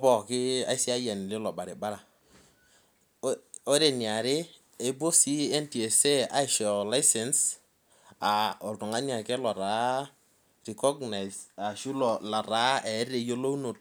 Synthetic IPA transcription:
ɔ˦bɔ˨kɪ˦a̰˦ɪ˦sɪ˦a˦ja˨nɪ˨lɪ˦lɔ˨ba˨ɾɪ˨ba˦ɾa˨ | o˦ɾe˨ni˨a˨ɾɪ˦ | e˦bo˦si˦e˦nti˨e˨se˦a˦ɪ˨ʃɔ˨la˦ɪ˦sɛ˨ns | a˨ɔ˨ltʊ˨ŋa˦na˨kɛ˦lɔ˨ɾa˨ | ri˨kɔ˦ɡna˨ɪsa˨ʃu˦lɔla˨ɾa˨˦ɛ˨˦ɾe˨jo˦lo˦no˨t

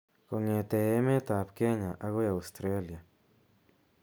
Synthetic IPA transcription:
ko˨ŋe˨t̪e˨e˦me˦t̪a˨pke˦ɲa˨ʔa˦ɣo˦ja˨wst̪ɾe˦lja˨

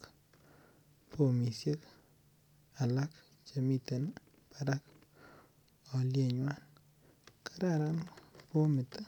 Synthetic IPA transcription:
k | pʰo˦mi˨sje˦k | a˨la˦k | t͡ʃe˨mi˦te˨n | pa˨ɾa˦k | ɔ˨lje˦˨ɲwa˦n | ka˨ɾa˦˨ɾa˦npo˦mɪ˨ta˦

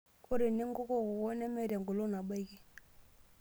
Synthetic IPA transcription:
ko˦ɾi˨ni˦ŋɡo˦kɔ˦kwɔ˦nɛ˦mɛ˦˨ɾɛ˨ŋɡo˨lo˦na˨ɓa˦i˦ki˦

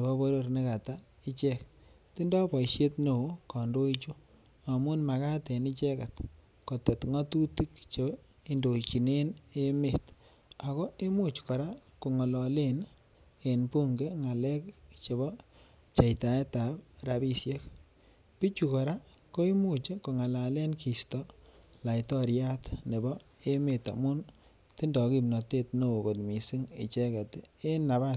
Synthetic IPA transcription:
o˨βɔ˦bo˦ɾo˦rne˦ka˨ta˦ | i˦t͡ʃɛ˦k | ti˦ndɔ˦pɔ˨ʃje˦tno˨˦kɔ˨ndo˦it͡ʃu˦ | a˨mu˦nma˨ka˦te˨ni˦t͡ʃɛ˦ka˨t | kɔ˨te˨tŋɔ˦tu˦ti˦kt͡ʃe˨ | i˦ndo˨t͡ʃi˨ne˦ne˦me˦˨t | a˨ko˦i˦mu˦t͡ʃkɔ˨ɾa˦ku˨ŋɔ˨lɔ˨le˦n | e˨npu˦ŋɡe˦ŋa˨lɛ˦kt͡ʃe˨βɔ˦ | t͡ʃa˨jta˨e˦ta˨pɾa˨bi˦sje˦k̚ | pi˦t͡ʃu˨kɔ˨ɾa˦ | ko˦i˦mu˦˨t͡ʃe˦ko˨ŋa˨la˨le˦nkʰi˨stɔ˦ | la˨jtɔ˦ɾja˦tne˨bɔ˦e˦me˨ta̰˨mu˦n | ti˦ndɔ˨ki˨mna˨te˦tno˨ko˨tmi˨si˦ŋḛ˨t͡ʃe˦kɛ˨te˦e˦na˨βa˦t

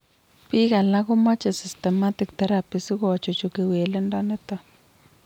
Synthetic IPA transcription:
pi˦ɣa˨la˦kʊ˦ma˦t͡ʃe˨si˨stɛ˨ma˦tɪ˨k̚t̪ɛ˦ɾa˨pi˨si˦ko˦˨t͡ʃo˨t͡ʃo˨ke˨we˨le˦nda˦nɛ˦ta˦

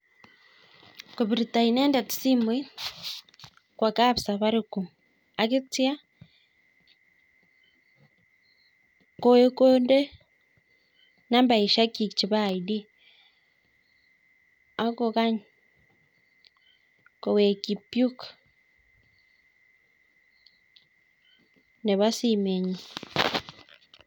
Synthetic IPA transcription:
ko˨βi˨ɾi˨taineː˦nde˨ti̥simwi˦ | kwaka˦βisaβaɾiku | a˨ki˦t͡sja˦ | koe˦koːnde˦ | na˦mba˨i˨ʃa˦ki˨t͡ʃi˨βaidi˦ | a˦koka˦ɲ | ko˨we˨ki˨pju˦k | ne˨βa˦simeɲi˨

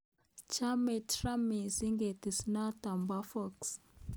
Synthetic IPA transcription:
t͡ʃa˦me˨tɾa˦mi˨zi˦ŋɡe˨ti˨sna˦ta˨mba˦fɔ˦˨ks

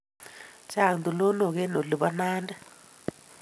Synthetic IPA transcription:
t͡ʃʰa˦˨ndu˨lɔ˦nɔ˨k̬ɛ˦no˨ɮu˨ɓa˦naː˦nda˦

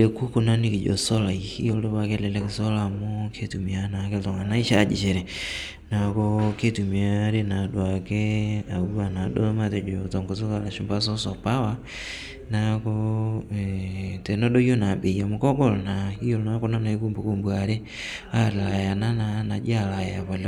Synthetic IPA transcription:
e˨ku˦ko˨na˦ni˦ki˨d͡ʒo̰˨sɔ˦la˨i˨ḭ˦jo˦ldo˦ba˦ke˦lɛ˨lɛ˦ke˨so˦la˨mo˦kʰe˦tu˨mi˨a˦na˨ke˦ltɔ˨ŋa˨na˦i˦ʃa˦˨d͡ʒḭ˨ʃe˨ɾɛ˨ | na˨ko˦ke˦tu˨mi˨a˨˦ɾe˦na˨dwa˨ke˦a˨u˦a˨na˨do˦ma˦tɛ˨d͡ʒo˨tɔ˨ŋɡo˨t̬o˦ka˨la˨ʃu˨mba˦s̬o˦sɔ˨pa˦wa˦ | na˦ko˦˨ | te˨no˦ɗo˦i˦o˦na˨ɓe˨ja˨mo˨kɔ˦ɡo˦˨lna˨i˦jo˦˨lna˦ko˦na˦na˨i˦ku˦mbo˨ko˦mbwa˨ɾe˦ | a˦˨ɾla˨ja˨na˦na˦na˨d͡ʒi˦a˦˨la˨ja˨pa˨l

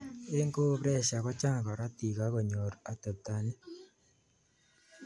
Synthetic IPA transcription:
e˦ŋɡo˦pɾɛ˦ʃa˨kɔ˦t͡ʃa˦ŋ˨kɔ˨ɾa˦ti˨ka˦ko˨ɲo˨ɾa˨te˨p̚ta˨ni˦

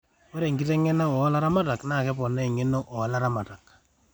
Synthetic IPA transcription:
ɔ˦ɾe˨ŋɡi˦te˦ŋɛ˦na˦ɔ˨˦la˦ɾa˦ma˦ta˨kna˦˨kɛ˦pɔ˨nɛ˦˨ŋɪ˦no˦ʔɔ˨la˦ɾa˦ma˨ta˨k̚

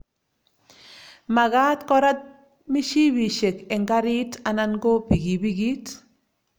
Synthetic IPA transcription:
ma˨ɣa˦t̪kɔ˦ɾa˦t̪̚ | mi˦ʃi˦bi˨ʃe˨ke˨ŋɡa˦ɾi˦ta˨na˦nɡo˦pi˨ɡi˨bi˦ɡi˦t

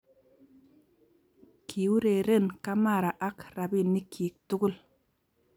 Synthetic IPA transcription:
kʰi˨wu˦ɾe˨ɾe˦˨nka˦ma˦˨ɾa˨ʔa˦kɾa˨bi˦˨ni˦kʰi˨k̚tu˦ɡu˦˨l

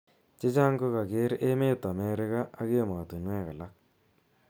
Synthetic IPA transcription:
t͡ʃe˦t͡ʃa˦ŋɡo˦ka˨kɪ˦ɾe˦me˦tːa˨mɛ˦ɾɪ˦ka˦a˦ke˦˨ma˨tu˨nwɛ˦ka˨la˦k̚

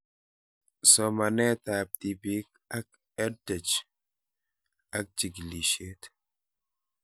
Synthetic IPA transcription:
sɔ˨ma˨nɛ˦t̪a˨p̚t̪i˨bi˦k̚ | a˦k̚ | ɛ˦də˨t͡ʃ | a˦k̚d͡ʒi˨ɡli˨ʃe˦t̪

